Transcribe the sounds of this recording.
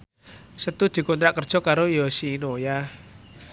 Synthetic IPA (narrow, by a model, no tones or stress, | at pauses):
sət̪ud̪̥i̤kɔnt̪ɾaʔkərd̥ʒ̥ɔ̤kaɾojɔsiːnoja